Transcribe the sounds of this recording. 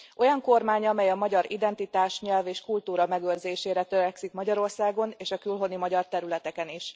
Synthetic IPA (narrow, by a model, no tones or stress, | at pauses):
ʔo̞jɒŋko̞rmaːɲɒmɛjɒmɒɟɒɾid̪ɛnt̪it̪aːʃɲɛlveːʃkult̪uːɾɒmɛɡøːrzeːʃeːɾɛt̪øɾɛksikmɒɟɒɾo̞rsaːɡo̞neːʃɒkylɦo̞nimɒɟɒrt̪ɛɾylɛt̪ɛkɛniʃ